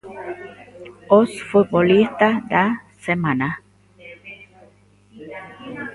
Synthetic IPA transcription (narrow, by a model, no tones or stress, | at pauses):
ɔsfut̪̚bɔlist̪ad̪asemana